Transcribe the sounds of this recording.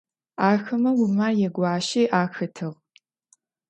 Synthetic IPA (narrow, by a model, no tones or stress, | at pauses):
aːxɐmɐwʊmaːjɛɡʷɑːʃiːʔaːxɐtʰɨʁ